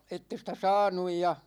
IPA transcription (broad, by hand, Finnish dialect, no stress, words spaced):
etːe stæ sɑːnuj jɑ